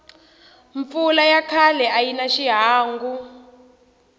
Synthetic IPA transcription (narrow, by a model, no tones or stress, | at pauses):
ɱfulajakʰalɛajinaʃiɦaːŋɡu